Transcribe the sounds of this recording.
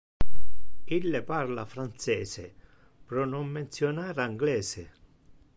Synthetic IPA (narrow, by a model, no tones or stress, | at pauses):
ilːeparlafɾant̪sɛːsɪ̰ | pɾɔnːɔmːent̪sjɔnaːɾaŋɡlɛːsɪ